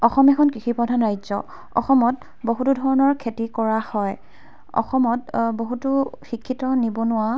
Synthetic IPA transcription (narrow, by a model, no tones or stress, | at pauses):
ɔxɔmɛkʰɔnkɹixipɹɔdʱanɹajzɔ̰ | ɔ̰xɔmɔt | boɦutudʱɔɹɔnɔɹkʰetikɔɹahɔj | ɔ̰xɔmɔt̚boɦutuxikʰːitɔnibɔnʊwa